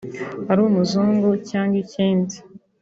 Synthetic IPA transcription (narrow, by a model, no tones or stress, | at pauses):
haɾuːmuzuːŋɡocaːŋɡiciːndi